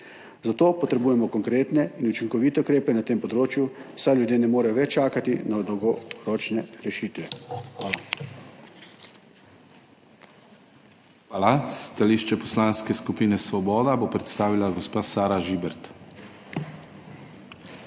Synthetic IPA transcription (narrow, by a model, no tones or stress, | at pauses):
zat̪oːpɔt̪ɾɛbuːjɛmɔkɔŋkɾeːt̪nɛinut͡ʃiŋkɔʋiːt̪ɛukɾeːpɛnat̪eːmpɔd̪ɾoːt͡ʃjuwsajljud̪jeːnɛmoːɾɛjɔʋɛt͡ʃaːkat̪inad̪ɔwɡɔɾɔːt͡ʃnɛɾɛʃiːt̪ʋɛxʋaːla | xʋaːlast̪aliʃt͡ʃɛpɔslaːnskɛskupiːnɛsʋɔbɔːd̪abopɾɛt̪st̪aːʋilaɡɔspaːsaːɾaʒiːbɛɾt̪